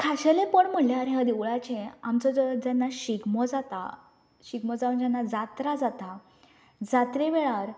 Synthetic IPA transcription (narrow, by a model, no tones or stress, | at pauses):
kʰaɕelepəɳm̤əljaɾɦad̪eʋɭat͡ɕẽamt͡sɔd͡ʑanːaɕiɡmɔd͡zat̪a̰ | ɕiɡmɔd͡zaʋənd͡ʑanːad͡zat̪ɾad͡zat̪a | d͡zat̪ɾeʋeɭaɾ